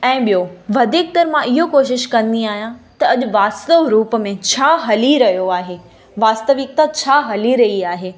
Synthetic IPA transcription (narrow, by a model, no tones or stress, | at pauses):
ɛ̃ːɓijoʋɐd̪ʱiːk̚t̪ɐɾmãʔɪɦokoːʃ̬ɪʃkɐ̃nd̪iaːɦijãt̪ɐɐʄʊ̆ʋaːst̪əʋɾuːpəmẽt͡ɕʰaːɦɐliɾɐɦijoaːɦeː | ʋaːst̪əʋɪk̚t̪at͡ɕʰaːɦɐliɾɐɦiaːɦeː